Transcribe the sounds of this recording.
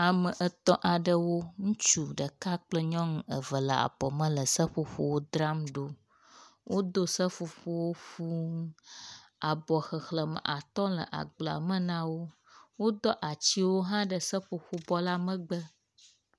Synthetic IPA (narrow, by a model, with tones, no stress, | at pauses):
a˨mə˨ʔə˦t̪ɔ̃˦ʔa˨ɖə˦wo˦ŋũ˦t͡ʃu˦ɖə˨ka˦k͡plə˦ɲɔ̃˦ŋ˦ə˨və˨lə˨a̰˨b̥ɔ˨mə̃˦lə˨sə˦ɸo˦ɸo̰˦wo˦d̪ɾa˦mɖo˦ | wʔo˦d̪o˦sə˦fu˨ɸo˦wo˦ɸu˦ŋ˦ | a˨bɔ˨xə˨xlə˨mə̰˨ʔa˨t̪ɔ̃˦lə̰˨ʔa̰˨ɡ͡bla̰˨mə̃˦nã˦wo˦ | wo˦d̪ɔ˦ʔa˨t͡ɕi˦wo˦ɦã˦ɖə˨sə˦ɸo˨ɸu˦bɔ˦la˦mə̃˦ɡ͡bə˦